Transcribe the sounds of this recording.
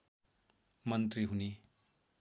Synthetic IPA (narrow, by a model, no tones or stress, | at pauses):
mʌnt̪riɦune